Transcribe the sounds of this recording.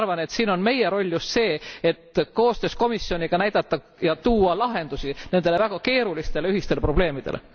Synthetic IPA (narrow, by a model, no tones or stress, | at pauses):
ɑrvɑne̞t̪siːno̞nme̞jeɾo̞lʲːjust̪se̞ːet̪ko̞ːst̪ø̞ːsko̞misjo̞nʲiɡ̥ɑnæjd̪̥ɑt̪ːɑ | jɑt̪uːɑlɑɦe̞nd̪usine̞nd̪̥e̞le̞væɡ̥ɑke̞ːɾulist̪e̞leyhist̪elepro̞b̥le̞ːmid̪elʔḛ